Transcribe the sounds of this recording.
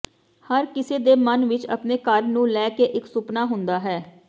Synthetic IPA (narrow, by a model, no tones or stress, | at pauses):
həɾkɪseːd̪eːmənʋɪt͡ʃə̰pneːkəɾnũːlɛːkeːʔɪksʊpnaːɦʊnd̪aːɦɛː